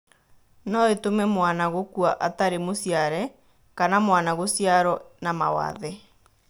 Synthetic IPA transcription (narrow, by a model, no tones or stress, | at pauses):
nɔetomɛmwanaɣokuaʔataɾemosjaɾɛ | kanamwanaɣosjaɾɔnama̰wa̰ðɛ